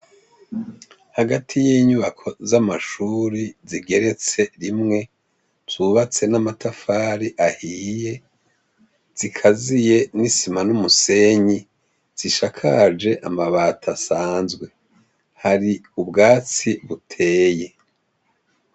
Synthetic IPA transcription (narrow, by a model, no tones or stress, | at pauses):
haɡatʰijiːɲuβakʰo̞zamaʃuːɾiziɡe̞ɾe̞t͡se̞ɾimŋe̞ | z̥uβat͡se̞namatafaːɾiʔahiːje̞ | z̥ikʰazije̞nisimanumuse̞ɲi | z̥iʃakʰad͡ʒe̞ʔamaβatʰasaːnzɡwe̞ | haɾiubɡaːt͡siβutʰe̞ːje̞